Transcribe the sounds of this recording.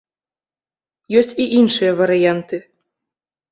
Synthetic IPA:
jɔsʲt͡sʲiʔinʂɨjɐvɐɾɨjant̪ɨ

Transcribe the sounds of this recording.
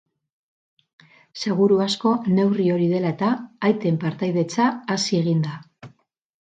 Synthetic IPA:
se̞ɣ̞uɾuasko̞ne̞wrio̞ɾiðe̞laet̪aːjt̪e̞mpaɾt̪ajðe̞t͡saːsie̞ɣ̞ind̪a

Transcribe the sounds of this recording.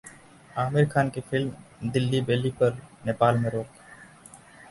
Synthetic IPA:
aːmɪɾkʰaːnkefɪlmd̪ɪlːibeːlipɐɾneːpaːlmẽɾoːk̚

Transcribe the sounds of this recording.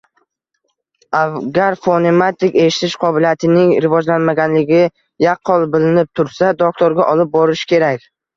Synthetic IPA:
aɡʲaɾfone̞mat̪ɪkʲe̞ʃɪ̥t̪ʰɪʃqʰɒbɪlijat̪ʰɪnɪŋɾɪvɒd͡ʒlanmaɡʲanlɪɡʲɪ | jaqʰːɒlˠbɪlɪnɪp̚t̪ʰʊɾsad̪ok̚t̪ʰoɾɡʲaʔɒlɪp̚bɒɾɪʃɪ̥kʲʰe̞ɾakʲ

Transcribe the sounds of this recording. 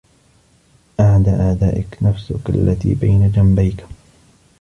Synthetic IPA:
ʔaʕd̪aːʔaːd̪aːʔɪknafsʊka̰lːʔat̪ḭːbajnad͡ʒambajk

